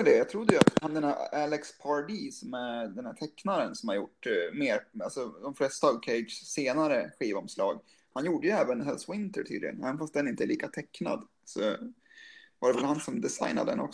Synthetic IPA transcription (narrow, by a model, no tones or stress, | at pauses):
d̪ɛjɑt̪ʰɾʊd̪ːəjat̪hand̪ɛnæælɛkspʰɑɖiːsɔmæd̪ɛnhæʈʰɛkːnaɾənsɔmhaɾjʊ̰ʈːmeːɾalsɔd̪ɔmflɛst̪aɑvkʰeɪd̪sseːnaɾəɧiːvaɔmslɑːɡ | hanjuːɖəjɵɛːvənɦɛlswɪnt̪əʈʰy̰ːd̪lɪɡə̰nɛ̰ːvənfast̪̚d̪ɛnɪnt̪əɛlɭiːkat̪ʰɛkːna̰d̪ | sɔ̰ | vaɖɛvɛlhansɔmd̪ɛsa̰jna̰d̪ɛ̰nɔ̰k